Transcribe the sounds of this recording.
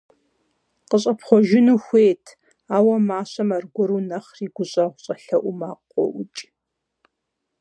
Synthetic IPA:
qəɕʼɐpχʷɔʒɪnuːxʷeːtʰ | aːwɐmaːɕɐmɐrɡʷɔɾuːnɐχriːɡʷʊɕʼɐʁʷʊɕʼɐɬɐʔʷʊmaːqʷʼɔ̰ʔʊt͡ʃʼ

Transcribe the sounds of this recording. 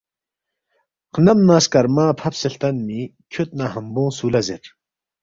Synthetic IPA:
qʰənamnaskaɾmapʰap̚seɬt̪anmikʰot̪̚naɦəmboŋsulazeɾ

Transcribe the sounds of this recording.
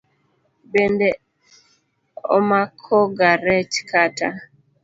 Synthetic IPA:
bende | o̰makʰoɡaɾet͡ʃkʰata

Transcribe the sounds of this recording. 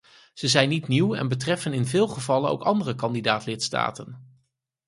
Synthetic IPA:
z̥əzɛjnːitniwɛ̰nbətrɛfənɪnvɪːlˠχəvɑləno̰wkɑndərəkɑndidaːtlɪtsta̰ːtən

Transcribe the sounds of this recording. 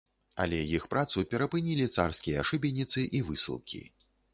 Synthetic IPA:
ɐ̰lʲɛjixpɾat̪supʲɛɾɐpɨnʲilʲit̪sa̰rskʲijɐaʂɨbʲinʲːit̪sɨʔivɨsʲɨ̰lˠkʲḭ

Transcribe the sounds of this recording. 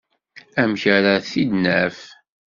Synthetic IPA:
æmçəɾaθid̪næf

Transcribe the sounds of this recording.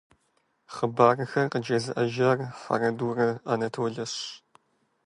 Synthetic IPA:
χəbaːrɨxɐrqəd͡ʒɐzɨʔɐʒɐrfɐ̰rɐduːrɐanɐtʰowɮɐɕ

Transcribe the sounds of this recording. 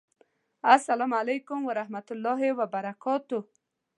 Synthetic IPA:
asalamalajkʊmwaɾahmat̪ʊlːɑɦewabaɾakɔt̪u

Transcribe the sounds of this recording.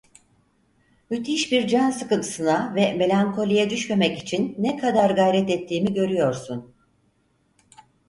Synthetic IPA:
myt̪ʰiʃbiɾd͡ʒansɯkɯnt̪ʰɯsɯnavɛme̞lʲaŋkʰo̞lʲijɛd̪yʃme̞mɛci̥t͡ʃʰinːɛkʰad̪aɾɡajɾɛt̪ɛt̪ʰːiːmiɟø̞ɾyjo̞ɾsun

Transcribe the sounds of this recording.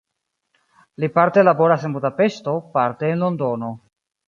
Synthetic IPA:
lipaɾte̞labo̞ɾase̞nbudape̞sto̞paɾteːnlo̞ndo̞no̞

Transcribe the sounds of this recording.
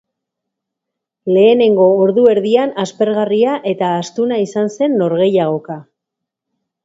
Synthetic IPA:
le̞ːne̞ŋɡo̞ːɾðue̞ɾðianaspe̞ɾɣariaʔe̞t̪aːst̪unaisanse̞nːo̞ɾɣe̞jaɣ̞o̞ka

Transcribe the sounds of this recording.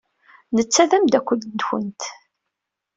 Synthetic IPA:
nət͡sːæðæmd̪ækʷːəld̪çə̰nt̪

